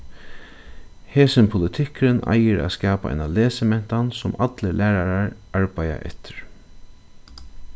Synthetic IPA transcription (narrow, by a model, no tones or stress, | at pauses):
heːsɪnpʰʊlɪt̪ʰɪkɾɪnʔa̰jɪɾʔa̰ːskaːpaʔa̰jnaleːsɪmɛn̥t̪ansʊmat̪lɪlæːɾaɾaɹ | aɹpaja̰ʔɛ̰t̪ʰɪɹ